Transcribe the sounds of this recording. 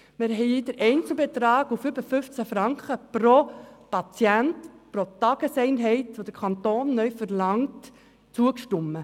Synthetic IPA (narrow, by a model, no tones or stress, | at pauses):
mɪɾɦɛɪd̥əɾʔɛɪnt͡sl̩bet̪ɾɑːɡ̥ufybəfʏft͡sæfɾɑŋkχəpɾopɑt͡sjæntpɾotɑɡ̥əsɛɪnɦɛɪtʋod̥̪əɾkʰɑntoːnːœɥfəɾlɑŋt | t͡suəkʃtʊmːə